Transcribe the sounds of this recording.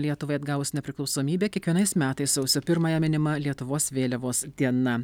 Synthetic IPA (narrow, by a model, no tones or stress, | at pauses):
lʲiɛt̪ʊʋɐɪɐd̪ɡɑːʋʊsnʲɛpʲɾʲɪklˠɒʊsoːmʲiːbʲeːkʲiɛkʋʲiɛnɐɪsmʲæːt̪ɐɪssɐʊsʲopʲɪɾmɐjɛmʲɪnʲɪmɐlʲiɛt̪ʊʋoːsʋʲeːlʲɛʋoːsd̪ʲiɛnɐ